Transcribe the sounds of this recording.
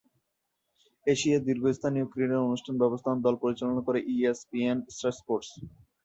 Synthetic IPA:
eʃiad̪iɾɡʱost̪ʰanijokɾineɾonuʃʈʰanbɛbost̪ʰand̪ɔlpoɾit͡ɕalonakoɾeʔiespiensʈɾespoɾʈs

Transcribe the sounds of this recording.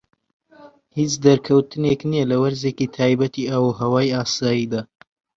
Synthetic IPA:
hit͡ʃd̪ɐɾkʰɐwt̪ɨneknijɛlɐwɐɾzeːkit̪ʰaːjbɐt̪ʰiawuɦɐwaːjaːsaːjiːd̪aː

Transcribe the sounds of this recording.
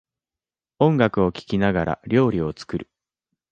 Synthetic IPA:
õ̞ŋɡakɯ̟o̞kʲi̥kʲinaɡaɾʔa̰ɾʲo̞ːɾʲio̞t͡sɨ̥kɯɾɯ̟

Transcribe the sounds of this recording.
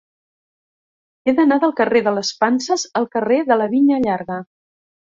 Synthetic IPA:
eðənaðəlˠkəreðələspansəzəlˠkəreðələβiʎəʎaɾɣə

